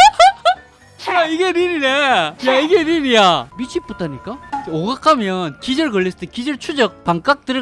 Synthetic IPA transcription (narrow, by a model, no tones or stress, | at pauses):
t͡ɕʰiaiɡenininejaiɡeninijamit͡ɕʰip̚p͈utʰaɲik͈aoɡakʰamjʌnkid͡ʑɯɭɡɯɭːisʰɯ̥tʰɯkid͡ʑɯɭt͡ɕʰud͡ʑʌk̚paŋk͈ak̚t͈ɯɾɯ